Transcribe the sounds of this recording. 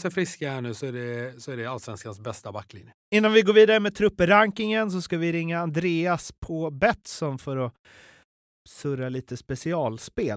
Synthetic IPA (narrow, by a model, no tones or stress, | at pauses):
sɛfɾɪskahæɳʉːsɔæɖɛsɔæɖɛalsvɛnskansbɛst̪abakːlɪ̰njəɪnːanvɪɡoːɾviːd̪aɾəmɛt̪ʰɾɵpːəɾaŋkɪŋəns̬ɔskavɪɾɪŋːaːnd̪ɾeːaspʰɔbɛt̪sɔnfœɾɔ | sɵɾaliːt̪əspɛsɪɑːlspeːl